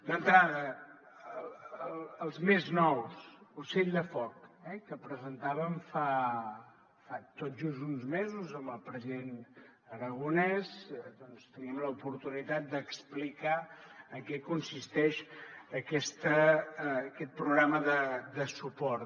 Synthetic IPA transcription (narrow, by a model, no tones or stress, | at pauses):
nant̪ɾaðə | əlˠzmeznɔwsuseʎd̪əfɔkɛkəpɾəzənt̪aβəmfa | fat̪ot̪ʒuzunzmezuzəmbəlˠpɾəziðen | əɾəɣunɛzd̪ɔnst̪əniəmləupuɾt̪unit̪at̪̚d̪əksplikaəŋkɛkunsist̪ɛʃəkɛst̪əː | kɛt̪̚pɾuɣɾaməðəd̪əsupɔɾ